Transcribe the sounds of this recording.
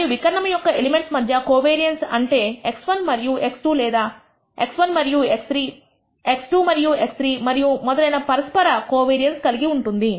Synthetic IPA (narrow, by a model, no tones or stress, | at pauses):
ɐijuʋikɐɾɐɳɐmɐjɔkːɐelime̞ɳʈsmɐd̪ʱjɐkoːʋeːɾijɐnsɐ̰ɳʈe̞ːeksʋɐnmɐɾijuʔe̞ksʈuːlɛːd̪aː | e̞̰ksʋɐnmɐɾijuekst̪ɾiː | eksʈuːmɐɾijuekst̪ɾiːmɐɾijumɔd̪ɐlɐjnɐpɐɾɐspɐɾɐkoːʋeːɾijɐnskɐliɡiuɳʈund̪i